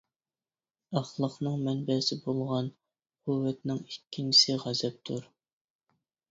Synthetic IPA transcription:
ɑχlˠəχnɨŋmɛnbɛsɪbolˠʁɑn | quwːɛt̪nɪŋikʲːint͡ʃʰi̥sɪʁæzɛp̚t̪ʰuɾ

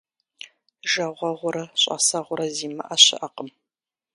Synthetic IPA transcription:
ʒɐʁʷɐʁʷʊɾɐɕʼɐ̰sɐʁʷʊɾɐziːmɐʔɐɕɪ̰ʔɐqəm

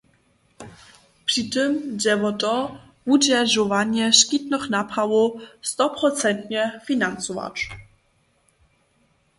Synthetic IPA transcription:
pʂitɘmd͡ʑɛvɔtʼɔ | vud͡ʑɛʐɔvaɲɛɕkʲit̪nɔχnapawɔst̪ɔpɾɔt̪t͡sɛnt̪ɲɛfʲinansɔva̰ʈ͡ʂ

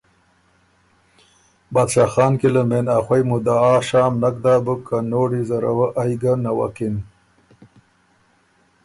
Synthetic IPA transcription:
bad̪ʃaxɑːnkiləmenaxwajmud̪aːʃɑːmnakd̪aːbukːanoːɽizaɾa̰waʔajɡanawa̰kin

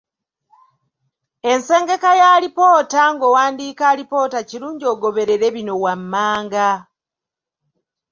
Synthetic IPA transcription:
e̞nse̞ːŋɡe̞kajaːlipo̞ːtaŋɡo̞waːndiːkalipo̞ːtaciɾuːɲɟio̞ːɡo̞βe̞ɾe̞ɾe̞βino̞wamːaːŋɡa

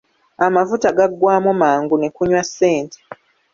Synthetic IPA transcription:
amafutaɡaɡwaːmumaːŋɡune̞kuɲwasːe̞ːntʰe̥

